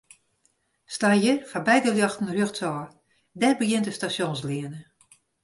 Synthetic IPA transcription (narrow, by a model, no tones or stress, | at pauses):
stajərfabɛjdəljɔxtn̩rjøxtʰɔr | dɛrbəɡjɪntəstasjonsliənə